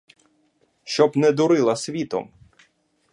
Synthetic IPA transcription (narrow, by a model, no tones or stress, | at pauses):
ʃt͡ʃɔbnɛd̪ʊɾɪlˠɐsʲʋʲit̪ɔ̰m